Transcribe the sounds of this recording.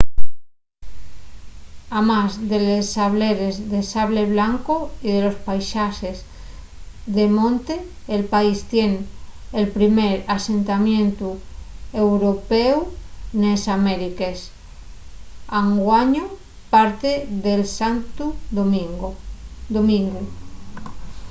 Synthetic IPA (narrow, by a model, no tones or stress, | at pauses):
amazðelesaβleɾezðesaβle̞βlaŋkoiðe̞lo̞spajʃaxez | ðemõnt̪eː | lpaist̪je̞nelpɾimeɾase̞nt̪amjẽ̞nt̪uewɾopewnesameɾikes | aŋɡwaɲo | paɾt̪eðelsant̪uomiŋ | d̪omĩŋɡu